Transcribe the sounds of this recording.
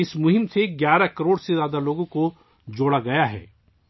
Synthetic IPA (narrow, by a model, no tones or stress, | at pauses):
ɪsmʊɦɪmseɡjaːɾakɐɾoːɽsezjaːd̪aloːɡõko | d͡ʒoːɽaɡɐjaɦɛ̰ː